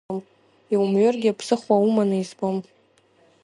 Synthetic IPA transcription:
m | iwumɥʏrɡʲɪapʰsɨχwaumanɨizbom

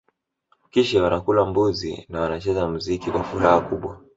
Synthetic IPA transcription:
kiʃɛwanakulambuzḭnawanat͡ʃɛzamuzikikwafuɾahakuɓwa

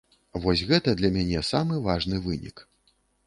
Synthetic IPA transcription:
vɔsʲɣɛt̪ɐd̪lʲɐmʲanʲɛsamɨvaʐnɨvɨnʲḭk

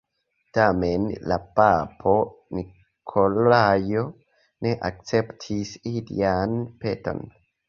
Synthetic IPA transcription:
tame̞nla̰papʰo̞ni | kʰolajo | ne̞ʔak̚t͡se̞ptʰisilḭanpe̞to̞̰n

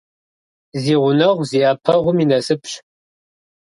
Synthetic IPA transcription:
ziːʁʷʊnɐʁʷziːʔɐpʰɐʁʷʊminɐsɨpʰɕ

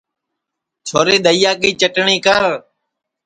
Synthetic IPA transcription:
t͡ʃʰoːɾeːd̪əijaːkiːt͡ʃəʈɳiːkəɾ

